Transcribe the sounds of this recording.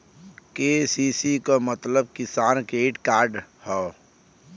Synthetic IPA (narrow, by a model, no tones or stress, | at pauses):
keːsiːsikomət̪ləb̚kɪsaːnkeːʈkaːɾɖhɛː